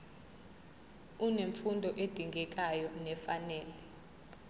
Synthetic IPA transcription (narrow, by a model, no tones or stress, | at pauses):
uneɱfundʱɔʔed̥ʱiŋʱɛk̬ʼajɔnɛfanɛːlɛ